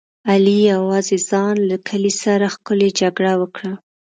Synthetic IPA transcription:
alijawɑzezɑnlakʰəlisaɾaxkʊled͡ʒaɡɽawəkɽa

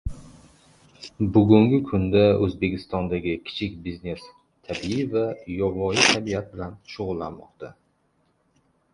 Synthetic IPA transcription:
bʊɡʲʊŋɡʲɪkʰʊnd̪aɵzbe̞kʲʰɪst̪ɒnd̪aɡʲɪkʲʰɪ̥t͡ʃʰɪkʲbizne̞s | t̪ʰabiivajɒvɒɪt̪ʰabiat̪̚bɪlanʃʊʁʊlˠːa̰nmɒ̰qt̪ʰa

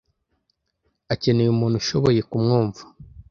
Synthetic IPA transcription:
acenejumuːn̥huʃo̞βo̞je̞kumŋoːɱvu̥

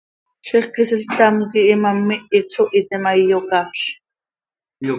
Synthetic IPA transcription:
t͡ʃʰeχkɪsɪlt̪amkɪːmamːɪɪt͡sʰoʔɪt̪ɪmajjokaʃ

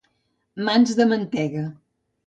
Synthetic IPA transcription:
manzðəmənt̪ɛɣə

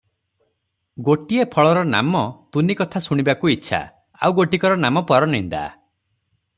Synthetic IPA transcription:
ɡoʈiepʰɔɭɔɾɔna̰mɔt̪unikɔt̪ʰasuɽ̃ibakuitːʃʰa̰ | a̰wɡoʈikɔɾɔnamɔpɔɾɔnind̪a̰

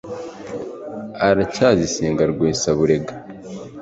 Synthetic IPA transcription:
aɾacaːzisiːŋɡaɾɡweːsaβuɾe̞ɡa

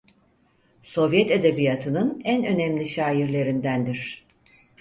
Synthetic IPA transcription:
so̞vjɛt̪ed̪ebijat̪ʰɯnɯnænø̞nɛmlʲiʃaːjiɾlʲe̞ɾind̪ænd̪iɾ̥

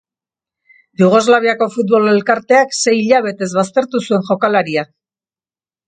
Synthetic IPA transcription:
d̪uɣo̞zlaβiako̞fut̪̚βo̞le̞lkaɾt̪e̞akse̞jiʎaβ̞e̞t̪e̞zβast̪e̞ɾt̪usue̞ŋʝo̞kalaɾia

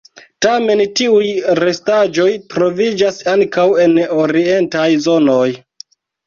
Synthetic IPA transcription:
tame̞ntiujɾe̞stad͡ʒo̞jtɾo̞vid͡ʒasaŋkawe̞no̞ɾie̞ntajzo̞no̞j

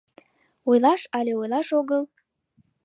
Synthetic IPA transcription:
ojlɑʃɑleojlɑʃoɣəl

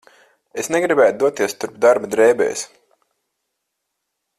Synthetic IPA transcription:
esnɛɡɾibæːt̪̚d̪uɔt̪iɛst̪uɾpd̪aɾbad̪ɾɛːbɛ̰ːs

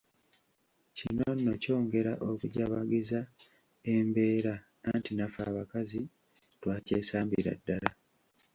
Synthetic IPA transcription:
cinono̞co̞ːŋɡe̞ɾaʔo̞kuɟaβaɡiza | embe̞ːɾaː | ntinafa̰ːβakazi | twaːceːsaːmbiɾa̰dːala

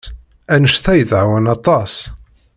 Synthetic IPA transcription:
ænəʃθæjəðʕawænɑt̪ˤɑs

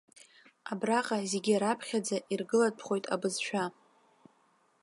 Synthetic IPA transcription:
abraqʼazeɡʲiɾapʰχʲad͡zaʔirɡɨlat̚pʰχojtʼa̰bɨzʃʷᶣa

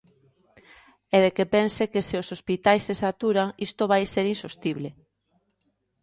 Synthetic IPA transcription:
ɛðekepɛnsekeseosospit̪ajsːesat̪uɾaŋist̪oβajseɾinsost̪iβle

